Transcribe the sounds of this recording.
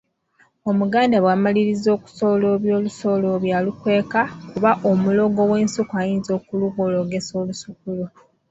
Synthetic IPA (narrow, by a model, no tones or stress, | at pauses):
o̞muɡaːndaβwaːmaliɾizːo̞ːku̥so̞ːlo̞βjo̞ːluso̞ːlo̞βjaːlukwe̞ːkakuβaʔo̞mulo̞ːɡo̞we̞ːnsukajiːnzo̞ːkuluɡolo̞ɡe̞so̞ːlusuk̚ulo